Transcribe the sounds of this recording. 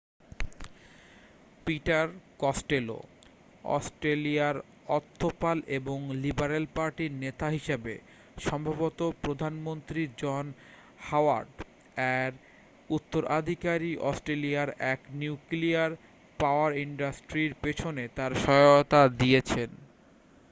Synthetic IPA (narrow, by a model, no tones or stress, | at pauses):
piʈaɾkɔsʈelo̰ | ɔ̰sʈɾeliaɾ | ɔt̪ʰːopalʔeboŋlibaɾelpaɾʈiɾnet̪aɦiʃebe | ʃɔmbʱabot̪opɾod̪ʱanmont̪ɾid͡ʑɔn | hawa̰ɾɖ | ɛɾ | ut̪ːoɾʔad̪ʱikaɾiʔɔsʈɾeliaɾɛkniuwkliaɾ | paoaɾiɳɖasʈɾiɾpet͡ɕʰonet̪aɾʃɔt̪ad̪iet͡ɕʰen